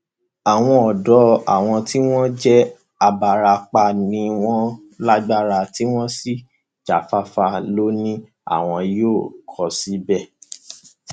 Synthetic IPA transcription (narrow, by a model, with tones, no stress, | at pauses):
a˨w̃ɔ̃˧ɔ˨dɔ˨˦a̰˨w̃ɔ̃˧ti˦w̃ɔ̃˦d͡ʒɛ˦ | a˧ba˨ɾa˧k͡pa˧˨nĩ˧w̃ɔ̃˦ | la˦ɡ͡ba˦ɾa˧ti˦w̃ɔ̃˦si˦˨ | d͡ʒa˨fa˧˦fa˧lo˦nĩ˦ | a̰˨w̃ɔ̃˧joː˦˨kʰɔ˨si˨˦bɛ˦˨